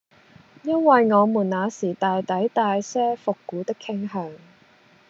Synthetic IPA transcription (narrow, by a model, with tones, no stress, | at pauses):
jɐ˥nwɐ˨jŋɔː˨˧muː˨˩nnaː˨˧siː˨˩t̪aː˨jt̪ɐ˨˥jt̪aː˨jsɛː˥fʊ˨kːuː˨˥t̪ɪ˥kʰɪ˥ŋɦœː˨˧ŋ